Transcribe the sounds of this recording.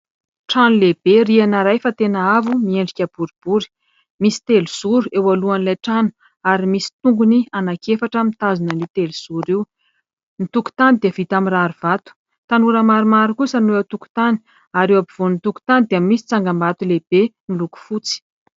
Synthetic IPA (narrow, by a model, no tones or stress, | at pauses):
ʈ͡ʂanuleb̥eɾianaɾajfat̪enaavumieɳɖ͡ʐikʲəb̥uɾib̥uɾi̥ | misi̥t̪eluz̥uɾuʔewaluanilajʈ͡ʂanu̥ | aɾimisi̥t̪uŋɡunianakefaʈ͡ʂəmit̪azinaniwt̪eluz̥uɾiw | nit̪uku̥t̪anid̪iəv̥it̪amiɾaɾuv̥at̪u̥ | t̪anuɾəmaɾumaɾukusanuet̪uku̥t̪ani̥ | aɾewapiv̥onit̪uku̥t̪anid̪iamisi̥t͡saŋɡambat̪uleb̥emiluku̥fut͡si̥